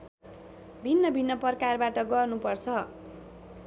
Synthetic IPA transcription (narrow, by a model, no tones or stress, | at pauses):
bʱinːʌbʱinːʌpʌrkarbaʈʌɡʌrnupʌrt͡sʰʌ